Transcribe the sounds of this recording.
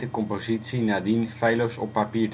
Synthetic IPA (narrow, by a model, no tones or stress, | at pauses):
təkɔmpozitsinad̪infɛjlowsɔ̰pːapiːr